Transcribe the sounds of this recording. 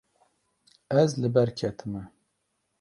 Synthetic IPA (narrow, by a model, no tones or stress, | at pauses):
ɛzlɨbɛɾkʰɛt̪ʰɨmɛ